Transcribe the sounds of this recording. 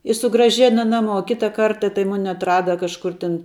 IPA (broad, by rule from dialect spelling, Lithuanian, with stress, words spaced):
ɪ sʊɡrɐˈʒʲæːnɐ ˈnɑːˌmuɔ ˈkʲɪtɐ ˈkɐrtɐ tɐɪ ˈmʊnʲɪ ɐtˈrɑːdɐ kɐʃˈkʊr ˈtʲɪn